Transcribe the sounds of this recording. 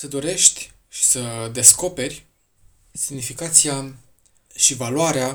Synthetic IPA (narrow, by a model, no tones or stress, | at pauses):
səd̪o̞ɾe̞ʃt̪ʲ | ʃi̥səd̪e̞sko̞pe̞rʲ | simnifikat̪sia | ʃivaluaɾea